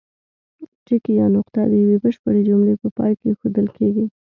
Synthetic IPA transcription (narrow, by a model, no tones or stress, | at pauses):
ʈɪkijɑnʊqt̪ad̪ejawebəʃpəɽed͡ʒʊmɽepəpɑ̰jkexod̪əlkeɡi